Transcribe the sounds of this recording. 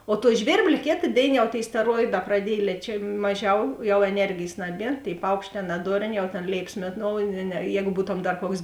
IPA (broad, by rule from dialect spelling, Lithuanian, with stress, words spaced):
oː tuɔ ˈʒʲʋʲeːrʲbʲlʲeː ˈkʲeːtɐ ˈdʲeːɪnɐ jɛʊ tʲeːɪ sʲtʲɛˈroːɪˌdɑː prɐˈdʲiɛj lʲiɛt͡ʃʲɛ ˈmɑːˌʒʲɛʊ jɛʊ ɛˈnʲɛrʲɡʲeːjs ˈnɑːˌbʲiɛ tʲeːɪ ˈpɐʊkʃʲˌtʲɛː ˈnɑːdoːrʲˌnʲeː jɛʊ tʲeːn ˈlʲeːɪpɐs ˈmʲeːˌnoːʊ nʲɛ ˈjɛːɡʊ dɐr ˈbuːtoːm ˈkuɔks